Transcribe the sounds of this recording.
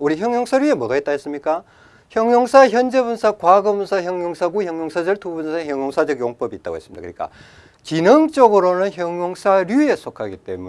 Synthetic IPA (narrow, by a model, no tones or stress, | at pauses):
uɾiçjʌŋjoŋsʰaɾjue̞mʌɡaet͈aɦes͈ɯmɲik͈a | çjʌŋjoŋsʰaçjʌnd͡ʑebunsʰakwaɡʌbunsʰaçjʌŋjoŋsʰaɡuhjʌŋjoŋsʰad͡ʑʌɭtʰubunsʰaeçjʌŋjoŋsʰad͡ʑʌɡjoŋp͈ʌbiːt͈a̰ɡo̰ɦe̞s͈ɯmidakɯɲik͈a̰ | t͡ɕinɯŋt͡ɕ͈ʌɡɯɾonɯnçjʌŋjoŋsʰaɾjue̞sʰokʰaɡit͈e̞̰mu